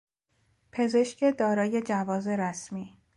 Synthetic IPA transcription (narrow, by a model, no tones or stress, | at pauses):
pʰe̞ze̞ʃcʰe̞d̪ɒːɾɒːje̞d͡ʒævɒːze̞ɾæsmiː